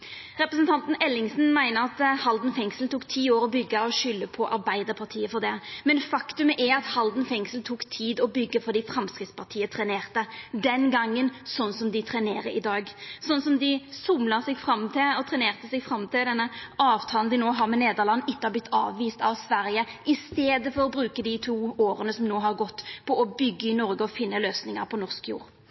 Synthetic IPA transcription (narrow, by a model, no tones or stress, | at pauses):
ʁɛpɾəsnt̪ʰɑnt̪n̩ɛlːɪŋsn̩mæɪnəʁɑt̪hɑld̪n̩fɛŋsl̩t̪uːkt̪ʰiːoːɾɔbʏɡːəɔʃʏlːəpʰɔʔɑɾbæɪd̪əɾpʰɑʁt̪ʰiːəfɔʁd̪ɛmɛnfɑkt̪ʉməʔɛɑt̪hɑld̪nfɛŋsəl̩t̪ʰukt̪ʰiːd̪ɔbʏɡːəfɔd̪ɪfɾɑmskʁɪt̪spʰɑt̪ʰiːət̪ʰʁɛneːʁt̪əd̪ɛnɡɑŋːənsɔnːsɔmd̪ɪt̪ʰʁɾɛneːɾəɾɪd̪ɑːɡsɔnːsɔmd̪ɪsʊmləʁsɛɡfɾɑmt̪ʰɪɔt̪ʰɾɛneːʁt̪əsɛɡfɾɑmt̪ɪld̪ɛnːəɑːʋt̪ʰɑːlən̩d̪ɪnoːɦɑɾmɛneːd̪əʁlɑnːɪkːɑblɪt̪ʰːɑːʋʋiːst̪ɑʋsʋæɾjəʔɪst̪eːd̪əfɔɾɔbɾʉːkəd̪ɪt̪ʰuːoːɾənəsɔmnoːɦɑɾɡɔt̪ːpʰɔʔɔbʏɡːəɪnɔɾɡəɔfɪnːəløːsnɪŋɑɾpʰɔnɔʁskjṵːɾ